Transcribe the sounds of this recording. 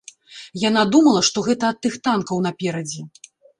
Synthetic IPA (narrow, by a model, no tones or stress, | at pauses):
jan̪ad̪umɐlˠɐʂt̪ɔɣɛt̪ɐːt̪ːɨxt̪ankɐwnɐpʲɛɾɐd͡zʲɛ